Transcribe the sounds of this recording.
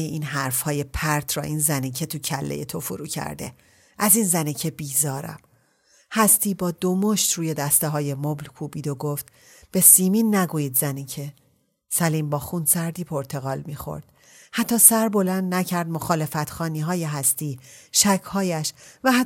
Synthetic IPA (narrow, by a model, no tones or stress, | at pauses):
eʔiːnɦæɾfhɒːje̞pʰæɾt̪ʰɾɒ̰ːʔiːnzæniːcʰe̞t̪ʰucʰælːḛjḛt̪ʰo̞foɾuːcʰæ̰ɾd̪e̞̰ | ʔæzinzæniːcʰe̞biːzɒːɾæ̰m | hæst̪iːbɒːd̪omoʃt̪ɾuːje̞d̪æst̪eɦɒːje̞moblkʰuːbiːd̪o̞ɡoft̪ | b̥e̞siːmiːnːæɡuːjiːd̪zæniːcʰe̞ | sæliːmbɒːxunsæɾd̪iːpʰo̞ɾt̪ʰe̞ɣɒːlmiːxo̞̰ɾd̪̥̚ | hæt̪ʰːɒːsæɾbo̞lænd̪næcʰæɾd̪̚mo̞xɒːle̞fæt̪xɒːniːɦɒːjeɦæst̪iːʃæcʰhɒːjæʃvæh